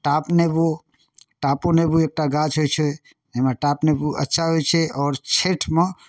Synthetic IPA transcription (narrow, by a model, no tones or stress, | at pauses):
ʈaːpnebo | ʈaponebueːk̚ʈaɡat͡ʃɦojt͡ʃʰe | emeʈaːpnebuə̰tːʃʰaɦojt͡ʃʰeɔːɾt͡ʃʰeːʈʰme